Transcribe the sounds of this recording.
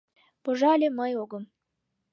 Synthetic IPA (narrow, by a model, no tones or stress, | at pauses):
poʒɑlʲeməjoɡəm